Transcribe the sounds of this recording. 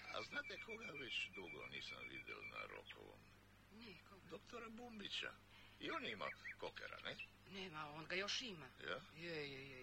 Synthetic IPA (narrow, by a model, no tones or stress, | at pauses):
a̰znaːt̪ekʰoɡaʋet͡ɕd̪uɡo̰niːsamʋḭd̪ɛ̰lˠnaɾokʰoʋo̰m | nɛkod̪okt̪oɾabumbit͡ʃa̰ | ionima̰kokeɾa̰nɛ | nɛmaonɡajoʃimajaje